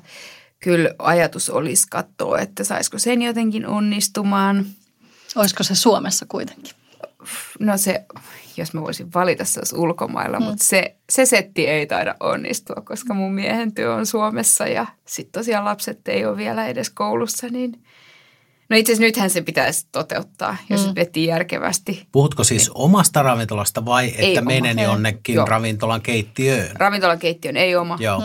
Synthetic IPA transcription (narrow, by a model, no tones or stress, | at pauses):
kylɑjɑt̪uso̰liskɑt̪ːo̰ːḛt̪ːæsɑ̰iskosenjot̪eŋkinʔonːist̪umɑːn | oiskosesuomesːɑkuit̪e̥ŋki̥ | nosejosmæʋo̰isiʋʋɑlit̪ɑsselsulko̰mɑ̰ilːɑ̰mut̪seseset̪ːieit̪ɑ̰iɾɑ̰ʔʔo̰nːḭst̪uɑkkoskɑmummiehent̪yøonsuomesːɑ̰jɑ̰sit̪tosiɑlɑpset̪ːḛioːʋʋielæedeskoulusːɑnin | noit̪sesnyt̪hænsepit̪æist̪ot̪ḛut̪ːɑ̰ːjosʋet̪ːˑiːjærkḛʋæ̰st̪ipuhut̪kosiːsomɑst̪ɑrɑʋint̪olɑst̪ɑʋɑiʔeeiːæmeinenionːekːinj̰rɑʋint̪olɑŋkeit̪ːiøːnrɑʋint̪olɑŋkeit̪ːiøneiomɑjoː